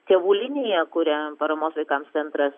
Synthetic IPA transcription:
t̪ʲeʋuːlʲɪnʲeːjɛkʊɾʲɛpɐɾɐmoːsʋɐɪkɐmst̪t͡s̪ʲsʲɛnt̪ɾɐs

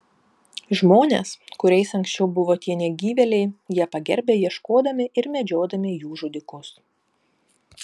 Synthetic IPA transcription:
ʒmoːnʲḛskʊɾʲɛɪsɐŋʲksʲt͡ʃʲɛʊbʊʋoːt̪ʲiɛnʲɛɡʲiːʋʲɛlʲɛɪjiɛpɐɡʲɛ̰ɾʲbʲeːjiɛʃkoːd̪ɐmʲɪɪɾmʲɛd͡ʒʲoːd̪ɐmʲɪjuːʒʊd̪ʲɪkʊs

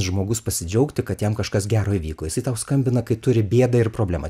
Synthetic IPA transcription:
ʒmoːɡʊspɐsʲɪd͡ʒʲɛʊkt̪ʲɪkɐt̪jɛmkɐʃkɐsɡʲæːɾoːiːʋʲiːkoːjɪsɐɪt̪ɐʊskɐmʲbʲɪnɐkɐɪt̪ʊɾʲɪbʲeːd̪ɐɪrpɾoːblʲæːmɐ

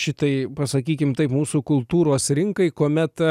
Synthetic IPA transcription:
ʃʲɪt̪ɐɪpɐsɐkʲiːkʲɪmt̪ɐɪpmuːsukʊlˠt̪uːɾoːsɾʲɪŋkɐɪkuɔmʲɛt̪

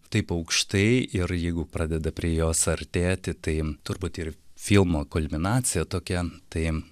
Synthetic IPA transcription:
t̪ɐɪpɐʊkʃt̪ɐɪɪɾjɛɪɡʊpɾɑːd̪ʲɛd̪ɐpʲɾʲiɛjoːsɐɾʲt̪ʲeːt̪ʲɪt̪ɐɪt̪ʊɾbuːt̪ɪrfʲɪlˠmoːkʊlʲmʲɪnɑːt̪sʲɪjɛt̪oːkʲɛt̪ɐɪ

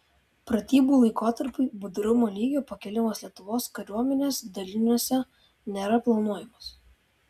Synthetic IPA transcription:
pɾɐt̪ʲiːbuːˑlˠɐɪkoːt̪ɐɾpʊɪbʊd̪ɾʊmoːlʲiːɡʲoːpɐkʲɛlʲɪmoːslʲiɛt̪ʊʋoːskɐɾʲuɔmʲɛnʲeːsd̪ɐlʲɪnʲuɔsʲɛ | nʲɛɾɐplˠɐnuɔjɪmoːs

